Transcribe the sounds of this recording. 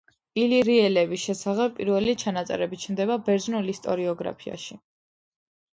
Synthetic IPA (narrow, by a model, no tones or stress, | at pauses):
iliɾiɛlɛbisʃɛsaχɛbʼiɾvɛlit͡ʃʰanat̪sʼɛ̰ɾɛbit͡ʃʰmd̪ɛβabɛɾd̪znulist̪ʼɔɾiɔɡɾa̰pʰia̰ʃi